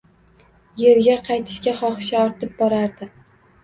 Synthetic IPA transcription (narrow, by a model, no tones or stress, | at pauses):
je̞ɾɡʲaqʰɑjt̪ʰɪ̥ʃkʲaχɒχɨʃaɒɾt̪ʰɪp̚bɒɾaɾd̪ɪ